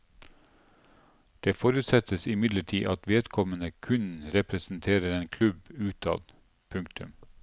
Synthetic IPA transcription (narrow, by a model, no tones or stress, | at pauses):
d̪̥eːfoːɾʉːt̪sɛt̪əsɪmɪd̪ləʈʰḭːʔɑt̪ʋeːd̪kʰɔmənəkʰʉnɾɛpɾəsn̩t̪ʰeːɾəɾeːnkʰlʉbʉːt̪ʰɑ̰ːd̪ | pʰʉŋk̚t̪ʉm